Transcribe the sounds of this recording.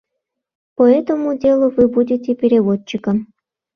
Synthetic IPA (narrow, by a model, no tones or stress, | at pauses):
poɛt̪omudʲelˠuvɨbudʲitʲepʲeɾʲeβot͡ɕːikəm